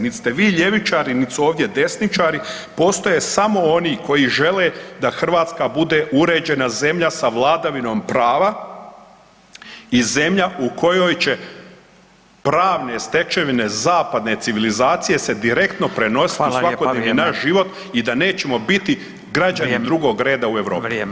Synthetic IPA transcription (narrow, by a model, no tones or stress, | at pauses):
nit̪st̪e̞ʋiːʎe̞ʋit͡ʃaːɾinit̪suo̞ːʋd̪jed̪e̞snit͡ʃaːɾi | po̞ːst̪o̞jesamo̞o̞niːkʰo̞jiʒe̞led̪axr̩ʋaːt̪skabud̪e̞ʔuɾe̞ːd͡ʑe̞naze̞mʎasaʋlˠaːd̪aʋino̞ːmpɾaːʋa | ize̞mʎauko̞jo̞jt͡ɕe̞ | pɾaːʋne̞st̪e̞t͡ʃe̞ʋine̞zaːpad̪ne̞t̪siʋilizaːt̪sije̞se̞d̪iɾe̞kt̪no̞pɾe̞no̞si̥t̪usʋakod̪eniinaʃʒiʋo̞t̪ | id̪ane̞ːt͡ɕe̞mo̞bit̪i | ɡɾad͡ʒanid̪ɾuɡo̞ːɡɾe̞ːd̪aue̞ʋɾoː